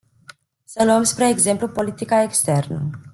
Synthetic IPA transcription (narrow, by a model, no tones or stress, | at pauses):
səluəmspɾe̞ːɡze̞mplupo̞lit̪ikaekst̪e̞rnə̰